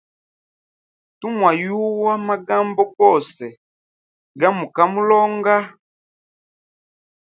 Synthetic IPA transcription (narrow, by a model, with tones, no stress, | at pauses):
tu˦mwa˨ju˦wa˦ma˦ɡa˦mbɔ˦kɔ˦˨sɛ˨ | ɡa˦mu˨ka˦mu˦lɔ˦ŋɡa˦